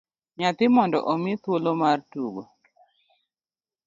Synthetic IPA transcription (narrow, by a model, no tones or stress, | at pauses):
ɲat̪ɪmɔndɔ̰ʔɔmɪt̪wolomartuɡo